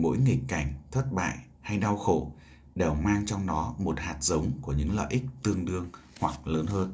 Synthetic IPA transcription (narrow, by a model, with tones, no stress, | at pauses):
mo̰˧˥jŋi˨˩k̚kːa˧˩jŋ̟t̪ʰwə˦˥t̚ɓa̰ː˧˨j | ha˧jɗa˧wxo̰˧˩ | ɗe˨˩wmaː˧ŋt͡ɕɔ˧wŋ͡mnɔ˨˦mo˨˩t̚haː˨˩t̚zə˨˦wŋ͡mku˧˩əɲɨ̰˧˥ŋlə̰ː˧˨jʔi˦˥k̚t̪ɨ˧əŋɗɨ˧əŋhwa˨˩k̚ləː˨˦nɦəː˧n